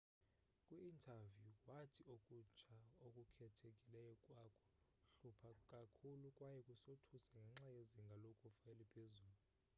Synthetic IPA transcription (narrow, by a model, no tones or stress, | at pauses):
kʼwuːntʰavjukʼwatʰiokʼut͡ʃʰaokʼukʰɛtʰekʼilɛjɔkʼwakʰʼɔ̥ | ɬupʰakʼakʰulukʼwajɛkʼusotʰusɛŋɡʱɛŋ͡ǁajeziŋɡʱalokʼufaɛlipʰezuːlu